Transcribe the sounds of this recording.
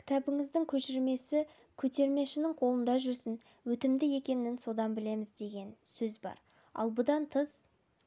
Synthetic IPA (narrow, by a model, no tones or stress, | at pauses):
kʲʰɪ̥t̪ʰæbɪŋɪzd̪ɪŋkʲʰɵʃɪɾme̞sɪ | kʲʰɵt̪e̞ɾme̞ʃɪnɪŋqʰo̞lˠənd̪ɑʒʏɾsɪn | wɵt̪ɪmd̪ɪje̞kʲe̞nɪnso̞d̪ɑnbɪle̞mɪzd̪e̞ɡʲe̞nsɵzbɑ̰ɾ | ɑ̰lˠbʊd̪ɑnt̪ʰəz